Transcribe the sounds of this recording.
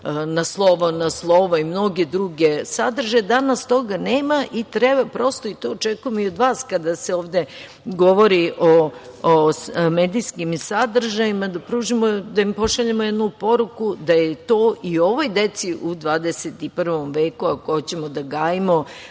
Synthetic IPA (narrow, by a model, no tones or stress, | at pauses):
naslˠoʋonaslˠoʋoimno̞ɡed̪ɾuɡesad̪rʒad̪anast̪o̞ɡaneːmaʔit̪ɾebapɾo̞st̪oit̪oːt͡ʃekujemoiod̪ʋaːskad̪aseoːʋd̪e | ɡo̞ʋo̞ɾiʔo | meːd̪iskimsad̪r̩ʒajimad̪apɾuːʒimod̪aimpo̞ʃaʎamojed̪nupo̞ɾukud̪ajet̪oːʔio̞ʋo̞jd̪e̞t̪siʔud̪ʋaːd̪eset̪ipr̩ʋo̞mʋeːkuakot͡ɕemod̪aɡaːjimo